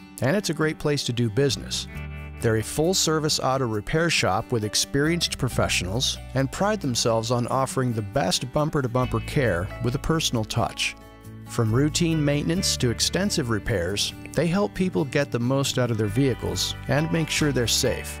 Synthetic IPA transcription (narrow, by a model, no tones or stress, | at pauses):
ɨ̃nɨtsɨɡɹeɪt̚pʰl̥eɪstʰɨdɨbɪznɨ̰sðə˞ɨfʊlˠsɜ˞vɨsɑ̰ɾoɹɨpʰɛɹʃɑ̰pwɨðɨkspɪɹiɨ̃nspʰɹ̥ɨfɛ̰ʃn̩l̩ˠzɨ̃npʰɹ̥aɪd̪̚ðə̃m̩sɛlˠvzn̩ɔfə˞ɪ̃ŋðɨbɛst̚b̥ʌ̃mpə˞ɾəbʌ̃mpə˞kʰɛɹwəðəpʰɜ˞sn̩l̩ˠtʰʌ̰t͡ʃ | fɹʌ̃mɹʉtʰĩnmẽɪ̃nɨ̃ntstʰɨɨkstɛ̃nsɨvɹɨpʰɛɹz̥ | ðeɪɦɛlˠpʰipl̩ˠɡɛt̪̚ðəmoʊstaʊɾʌvðə˞viɨkl̩ˠzɨ̃nmeɪkʃʊɹðə˞seɪf